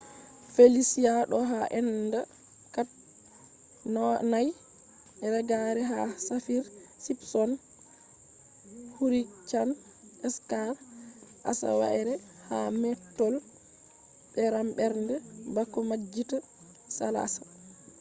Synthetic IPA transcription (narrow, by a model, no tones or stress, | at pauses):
felisijaɗɔɦaʔɛnda | kat | nɔnaj | ɛɾɛɡaɾɛɦa̰safiɾsipsɔn | huɾit͡ʃan | ɛskaɾʔa̰sa̰wa̰ɛɾɛ | ha̰mɛtːɔl | ɓɛɾambɛɾndɛbakːɔmad͡ʒːita | sa̰la̰sḁ